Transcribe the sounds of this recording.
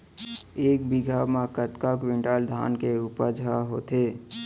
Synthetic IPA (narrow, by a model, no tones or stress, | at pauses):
eːk̚biɡʱamãkət̪kakwĩɳʈaːld̪ʱa̰ːnkeupəd͡ʒʱaɦot̪e